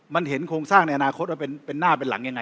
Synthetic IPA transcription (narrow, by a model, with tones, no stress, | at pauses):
ma˧nɦe˩˦nkʰoː˧ŋsaː˥˩ŋna˧jʔa˧naː˧kʰo˦˥waː˥˩pe˧npe˧nːaː˥˩p̬e˧nla̰˩˦ŋja˧ŋa˧